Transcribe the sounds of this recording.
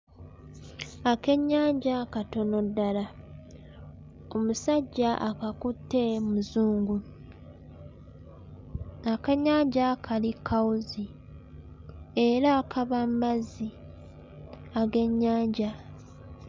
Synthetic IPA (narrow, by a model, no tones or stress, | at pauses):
ake̞ɲːaːɲɟakato̞no̞dːala | o̞musaɟːaʔakakutːe̞muzuːŋɡu | akaɲːaːɲɟakʰalikʰːawuzi | eɾakʰaβammazi | aɡe̞ɲːaːɲɟa